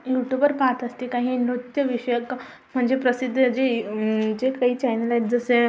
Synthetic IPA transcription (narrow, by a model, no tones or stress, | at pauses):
juʈjubəɾpat̪ʰəst̪ikaɦiːnɾut̪jəʋiʂəjək | m̤əɳd͡zepɾəsid̪ʱːəd͡ʑed͡ʑekaɦiːt͡ɕajnəlajʈd͡zəse